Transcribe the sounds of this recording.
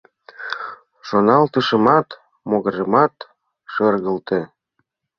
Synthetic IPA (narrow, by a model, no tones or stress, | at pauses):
ʃonɑlt̪ə̆ʃə̆mɑt̪ | moɣɤ̆ʒə̆mɑt̪ | ʃɤrɣə̆lt̪e